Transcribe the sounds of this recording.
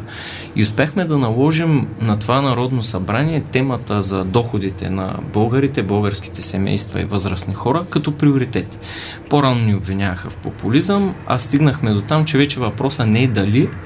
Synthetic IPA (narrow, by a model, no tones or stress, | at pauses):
ḭʊspjaxmɛd̪ɐnɐlˠɔʒimnɐt̪ovanɐɾɔd̪nosɐbɾaniɛt̪ɛmɐt̪əzɐd̪ɔxod̪it̪ɛ̰nɐ̰bɤlˠɡəɾit̪ɛbəlˠɡəɾski̥t̪ɛsɛmɛ̰jst̪vɐ̰ḭvɤzɾəsnixɔɾəkɐt̪ɔpɾioɾit̪ɛt̪i̥ | poɾanoniobvinʲjavəxɐfpopʊlizəmɐ̰st̪iɡnəxmɛd̪ot̪amt͡ʃɛvɛt͡ʃɛvɐpɾɔsənɛɛd̪ɐli